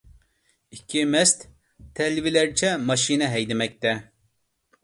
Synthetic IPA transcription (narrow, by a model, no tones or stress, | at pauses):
ikʲʰːimɛst̪ | t̪ʰːɛlvilɛɾt͡ʃʰɛmɑʃinɛɦɛjd̪ɪmɛk̚ʲt̪ɛ